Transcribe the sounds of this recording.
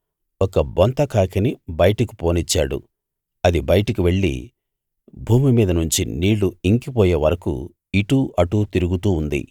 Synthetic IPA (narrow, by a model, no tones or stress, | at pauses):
ɔkɐbont̪ɐkʰaːkʰɐnibɐjɐʈɐku̥po̞ːnit͡ʃːaːɽṵ | ɐd̪ibɐjɐʈɐkiʋe̞ɭːḭ | bʱuːmimiːd̪ɐnuɲt͡ʃḭniːɭːuiŋkipɔːjeːʋɐɾɐkṵ | iʈuːʔɐʈuːt̪iɾuɡut̪uːnd̪ḭ